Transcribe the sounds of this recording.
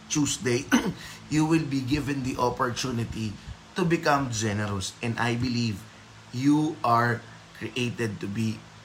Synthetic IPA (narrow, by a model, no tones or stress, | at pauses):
t͡ʃusd̪ejjuwɪlbiɡɪvɛ̃nd̪iʔopɔɹt̪unɪt̪it̪ubɪkãmd͡ʒɛnɛɾosʔɛ̃nd̪ajbɪliv | juʔaɹ | kɹiʔejt̪ɛd̪̚t̪ʊbi